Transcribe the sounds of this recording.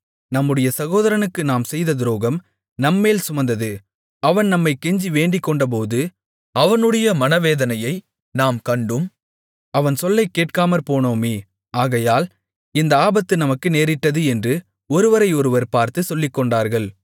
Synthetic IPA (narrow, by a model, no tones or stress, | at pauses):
nɐmːɯɽɐjɐsɐɣoːðɐɾɐnɯkːɯnaːmsɛjðɐd̪ɪɾoːɣɐm | nɐmːeːlsʊmɐnd̪ɐðɯ | ɐʋɐnnɐmːɐɪkːɛɲd͡ʒiʋeːɳɖɪkːɔɳɖɐp̬oːðɯ | ɐʋɐnɯɽɐjɐmɐnɐʋeːðɐnɐjɐɪ | naːmkɐɳɖɯm | ɐʋɐnsɔlːɐɪkːeːʈkaːmɐɾpoːnoːmeː | aːɣɐjaːl | ɪnd̪ɐaːbɐt̪ːɯnɐmɐkːɯneːɾɪʈːɐðɯɛndrɯ | ɔɾɯʋɐɾɐɪɔɾɯʋɐɾpaːɾt̪ɯsɔlːɪkːɔɳɖaːɾɣɐɭ